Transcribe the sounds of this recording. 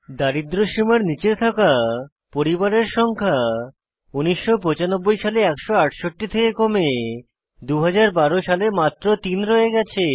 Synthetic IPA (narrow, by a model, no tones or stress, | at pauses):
d̪aɾid̪ɾoʃimaɾnit͡ɕet̪ʰaka | poɾibaɾeɾʃɔŋkʰa | uniʃːopɔt͡ɕanobːojʃaleɛkʃoaʈʃoʈːit̪ʰekekome | d̪uɦad͡ʑaɾbaɾoʃalemat̪ːɾot̪inɾɔeɡɛt͡ɕʰe